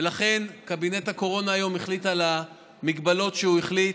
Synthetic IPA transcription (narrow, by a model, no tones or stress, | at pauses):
elaχe̞nkabinethako̞ʁo̞naːjo̞meχlitala | miɡbalo̞tʃeuiχlit